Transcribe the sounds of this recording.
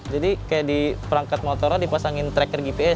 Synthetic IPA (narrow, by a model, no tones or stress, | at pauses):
d͡ʒadikajaʔdipəɾaŋkat̪̚mɔt̪ɔɾadipasaŋɪnt̪ɾɛkərɡipeɛ